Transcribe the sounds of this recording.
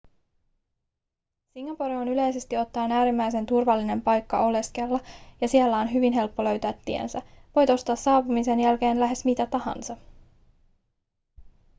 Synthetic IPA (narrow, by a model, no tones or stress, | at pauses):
siŋːɑpoɾio̞nyle̞jse̞st̪io̞t̪ːɑːnæːɾimːæjse̞nt̪urʋɑlːine̞mpɑjkːɑʔo̞le̞skelːɑjɑsielːæo̞nɦyʋinɦe̞lpːo̞lø̞ɥt̪æːt̪ːiḛnsæʋo̞jt̪ost̪ɑːsɑːpumise̞njælke̞ːnlæɦe̞smit̪æt̪ɑhɑ̰nsɑ